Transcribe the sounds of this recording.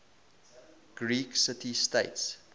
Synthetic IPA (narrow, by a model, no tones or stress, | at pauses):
ɡ̥ɹiːksɪtisteɪts